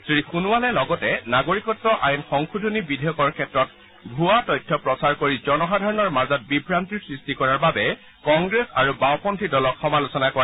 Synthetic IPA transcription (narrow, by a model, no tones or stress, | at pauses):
sɹixunuwalɛlɔɡɔtɛnaɡoɹikɔtːɔʔajnxɔŋxudʱonibidʱejɔkɔɹkʰɛtɹɔt̚ | bʱuatɔjtʰːɔpɹɔsaɹkoɹizɔnɔxadʱɔɹɔnɔɹmaɹzɔt̚bibʱɹantiɹsɹistikɔɹaɹbabɛ | kɔŋɡɹesaɹubawpɔntʰidɔlɔkxɔmalusɔnakɔɹa